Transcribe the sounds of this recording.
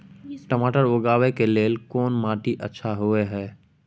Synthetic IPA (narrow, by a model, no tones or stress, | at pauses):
ʈəmaːʈəɾoːɡaːʋekeleːlkɔːnmaːʈiʔətːʃʰaɦueɦɛː